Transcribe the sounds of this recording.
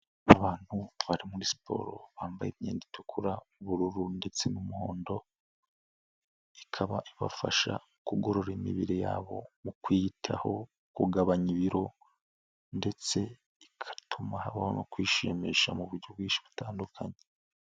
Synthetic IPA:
aβaːn̥huβaɾimuɾisi̥pʰo̞̰ːɾo̞̰βaːmbajemɲeːnditʰokʰuɾauβuɾuɾunde̞t͡se̞numuho̞ːndo̞ | ikʰaβaʔiβa̰faʃa̰ | kuɡo̞ɾo̞ɾimḭβiɾeja̰ːβo̞mukwiːtʰaho̞ | kuɡaβaɲiβiɾo̞ | nde̞t͡se̞ | ikʰḁtʰumahaβahonokwiːʃemeʃamuβuɾɟobɡwiːʃi̥βutaːndukʰaɲe

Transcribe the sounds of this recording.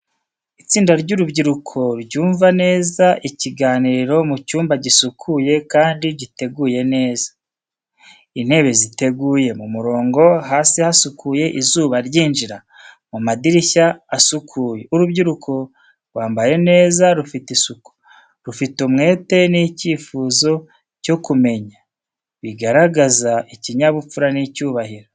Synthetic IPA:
it͡siːndaɾɟuɾubɟiɾukʰo̞ɾɟuːɱvane̞ːzaʔiciɡaːniɾɾo̞mucuːmbaɟisukʰuje̞kaːndiɟite̞ɡuje̞ne̞ːzḁ | in̥he̞βe̞zite̞ɡuːje̞mumuɾo̞ːŋɡo̞ɦaːsihasukʰuje̞ʔizuːβaɾɟiːnʒiɾa | mumadiɾiçaːsukʰuːje̞uɾubɟiɾukʰo | ɾwaːmbaje̞ne̞ːzaɾufitisuku̥ | ɾufitumŋe̞ːte̞niciːfuːzo̞ | co̞kume̞ɲa | βiɡaɾaɡazaiciɲaβufuɾanicuːβahiɾo

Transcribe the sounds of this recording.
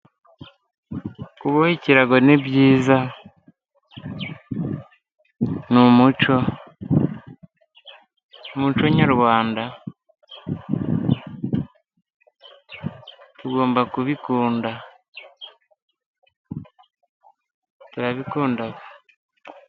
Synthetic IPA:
kuβohiciɾaɡonebjiːza | numut͡ʃo̞ | mut͡ʃo̞ɲaɾwaːnda | tuɡo̞ːmbakuβikuːnda | tuɾaβikuːndaβo

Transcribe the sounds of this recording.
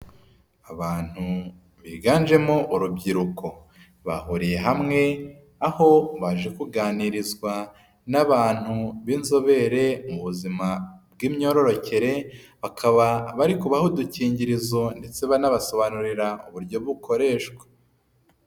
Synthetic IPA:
aβaːn̥hu | βiɡaːnd͡ʒe̞moʔuɾubɟiɾukʰo̞ | βa̰ɦuɾije̞ɦamŋe̞ | aho̞βaʒe̞kuɡaːniɾizɡwa | naβaːn̥huβiːnzo̞βe̞ɾe̞muβuzimabɡiːmɲo̞ɾo̞ɾo̞ce̞ɾe̞βakʰaβaβaɾikuβahuduciːɲɟiɾizo̞nde̞t͡se̞βanaβaso̞βanuɾiɾauβuɾɟo̞βukʰo̞ɾe̞ːʃɡwḁ

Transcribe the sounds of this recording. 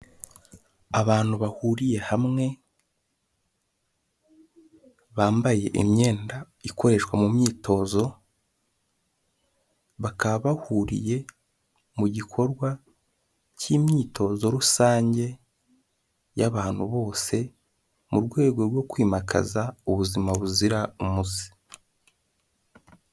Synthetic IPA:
aβaːn̥huβahuɾije̞hamŋe̞ | βaːmbaje̞ʔḭmɲe̞ːnda | iko̞ɾe̞ʃkwamumɲiːtʰo̞ːzo̞ | βakaβaβahuɾḭje̞ | muɟikʰo̞ɾɡwa | cimɲiːtʰo̞zo̞ɾusaːɲɟe̞ | jaβaːnhuβo̞ːse̞ | muɾɡwe̞ːɡo̞ɾɡwo̞kwiːmakʰa̰zauβuzimaβuziɾaumuzi̥

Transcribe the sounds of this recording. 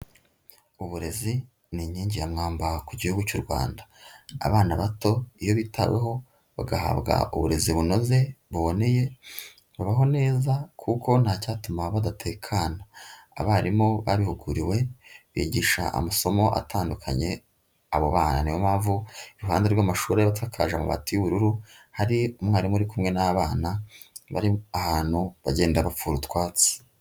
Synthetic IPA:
uβuɾe̞zi | niɲiːɲɟiɾamŋaːmbakuɟihuɡucuɾɡwa̰ːndḁ̰ːβaːnaβato̞ijo̞βitʰawḛɦo̞ | βaɡaha̰βɡa̰ṵβuɾe̞ziβuno̞ze̞βuβo̞ne̞je̞ | βaβaɦo̞ne̞ːzakʰuko̞n̥haːcaːtumaβadatʰe̞kʰaːna̰ː | βaːɾimoβaβihuɡuɾiwe̞βiːɟiʃa̰a̰maso̞mo̞ʔa̰taːndukʰa̰ɲe̞̰ | aβo̞̰βaːna̰nijomaːvuiɾuɦaːndeɾɡwamaʃuːɾajaβat̬ʰakʰa̰ːʒamuβa̰tijuβuɾuɾuhaɾiumŋaːɾimuɾikumŋe̞naβaːnaβa̰ɾiahaːn̥huβaɟe̞ːndaβap͡fuːɾutwaːt͡si̥

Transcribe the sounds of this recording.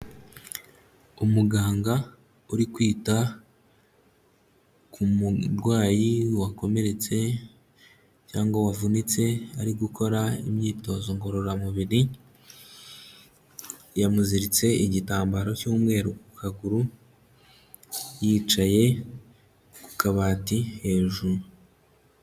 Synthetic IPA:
umuɡaːŋɡa | uɾikwiːta | kʰumuɾɡwaːjiwako̞me̞ɾe̞t͡se̞ | caːŋɡowavunit͡se̞a̰ɾiɡukʰo̞ɾaḭmɲiːto̞zo̞ŋɡo̞ɾoɾamuβiɾi | jamuziɾit͡se̞iɟitaːmbaɾo̞cuːmŋe̞ːɾukukʰaɡuɾu | jiːt͡ʃaje̞ | ku̥kaβaːtihe̞ːʒuɾu

